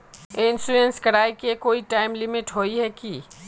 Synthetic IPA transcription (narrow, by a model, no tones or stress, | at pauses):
ɪnsluẽnskɐɾaːikekoːiʈaːɪmlɪmɪʈɦoːiɦɛkiː